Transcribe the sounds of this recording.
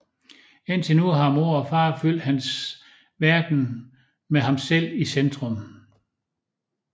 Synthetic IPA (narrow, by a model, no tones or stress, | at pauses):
e̝n̰t͡sʰe̝nuɦɑ̈mo̝ɐ̰ɒ̽fɑ̈ːfyl̰d̥hæns | ʋæɐd̥n̩ | meɦɑ̈msel̰isend̥ʁɔm